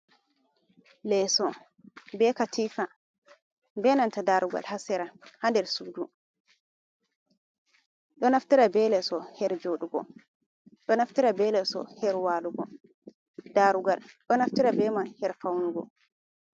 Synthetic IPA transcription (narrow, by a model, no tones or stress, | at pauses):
lɛsɔ | bɛkatʰiːfa | bɛnantadaɾuɡa̰lhasɛɾahandɛɾsuːdu | ɗɔnaftiɾabɛlɛsɔhɛɾd͡ʒoɗuɡɔ̰ | ɗɔnaftiɾabɛlɛsɔ̰hɛɾwaːluɡɔ | daɾuɡalɗɔnaftiɾabɛmanhɛɾfawnuɡɔ̰